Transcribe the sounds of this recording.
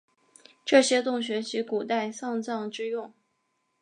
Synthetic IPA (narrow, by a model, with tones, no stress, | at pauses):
ʈ͡ʂɤ˥˩ɕjɛ˥t̪ʊ˥˩ŋɕ̬ɥɛ˧˥t͡ɕʰi˧˥ku˨˩t̪a˥˧ɪsɑ˥˧ŋt͡sɑ˥˧ŋʈ͡ʂɻ̩˥jʊ˥˩ŋ